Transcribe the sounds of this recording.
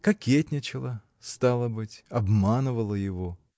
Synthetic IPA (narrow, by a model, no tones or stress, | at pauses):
kɐkʲetʲnʲɪt͡ɕɪlˠə | st̪alˠəbɨtʲɐbmanɨvəlˠəjɪvo̞